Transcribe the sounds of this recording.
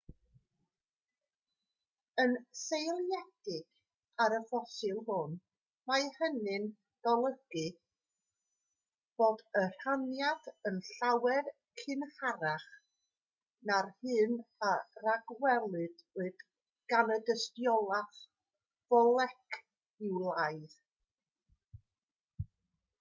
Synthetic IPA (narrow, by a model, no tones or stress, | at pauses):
ənsejlˠjɛd̥ɪɡ | aɾəvɔsɨlˠhʊn | majhənɨn | d̥ɔlˠəɡ̥ɨ | b̥oːdər̥anjadənɬawɛr | kʰɨnhaɾaχ | narhɨːnaraɡwɛlˠɨdɨɨd̥ | ɡ̥anədəstjɔlˠaθ | vɔlˠɛkʰ | ɪwlˠajð